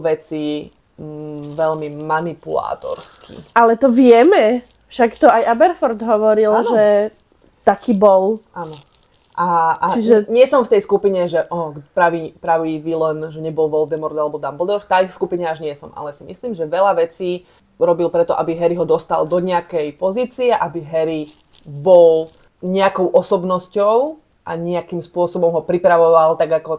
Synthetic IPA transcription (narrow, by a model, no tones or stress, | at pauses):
ʋɛt͡si | ʋɛʎmimanipula̰ːt̪ɔ̰ɾskʰḭʔalɛt̪ɔʋɪɛmɛ | fʃakt̪ɔajʔabɛɾfɔɾd̪ɦɔʋɔɾilnʒɛ | t̪akiːbɔlanɔ | ʔaat͡ʃiʒɛɲɪɛsɔmft̪ɛjskupiɲɛʒɛʔɔpɾaʋiːpɾaʋiʋilɛnʒɛɲɛbɔlʋɔld̪ɛmɔɾd̪alɛbɔd̪ambɔld̪ɔɾft̪askupiɲɛaʒɲɪɛsɔma̰lɛsimḭsliːmʒɛʋɛʎaʋɛt͡siː | ɾɔbilpɾɛt̪ɔʔa̰biɦɛɾiɦɔd̪ɔst̪a̰ld̪ɔɲɛakɛjpɔziːt͡siɛʔabiɦɛɾi | bɔl | ɲɛakɔʊʔɔsɔbnɔscɔʊ | ʔaɲɛakimspʊɔsɔbɔmɦɔpɾipɾaʋɔʋalt̪aɡakɔ